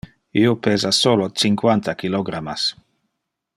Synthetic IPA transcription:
iopeːzasolot͡siŋkwant̪akiloɡɾamas

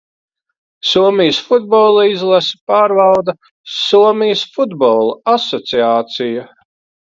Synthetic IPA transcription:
suɔmijsfud̪̚bɔlˠaizlˠasɐ̥paːɾvɑlˠd̪ɐ | suɔmijsfud̪bɔlˠuasɔt̪siaːt̪sijɐ

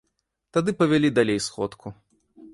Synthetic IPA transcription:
t̪ad̪ɨpɐvʲalʲid̪alʲejsxɔ̰t̪kʰu

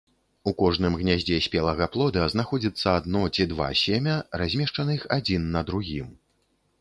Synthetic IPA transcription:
ukɔʐnɨmɣnʲazʲd͡zʲɛsʲpʲɛlˠɐɣɐplˠɔd̪ɐznaxɔd͡zʲit̪sːɐːd̪nɔt͡sʲid̪va̰sʲemʲɐrazʲmʲɛʂt͡ʂɐnɐixad͡zʲinːɐd̪ɾuɣʲim

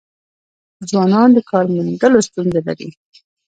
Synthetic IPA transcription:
d͡zwɑnɑnd̪əkʰɑɾmʊnd̪əlost̪unzala̰ɾḭ

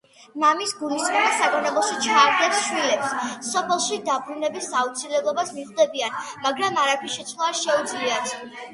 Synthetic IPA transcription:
mamisɡulisχumasaɡanɔbɔʃit͡ʃʰχʰaɾd̪ɛpsʃwilɛpssɔpʰɛlˠʃid̪abɾunɛbisaut̪sʰilɛblˠɔbasmiʁd̪ɛbianmaɡɾamaɾapʰinʃɛt̪sʰnɔasʃɛud̪zliat̪ʰ

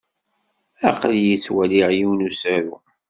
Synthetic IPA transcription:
æ̰qljit͡sːwæliʕjiwnusæɾṵ

